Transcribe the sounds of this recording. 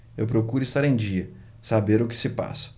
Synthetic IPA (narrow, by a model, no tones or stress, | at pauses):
ewpɾokuɾʊɪst̪aɾẽj̃d͡ʒiɐ | sabeɾʊkɪ̥sɪpa̰sɐ̥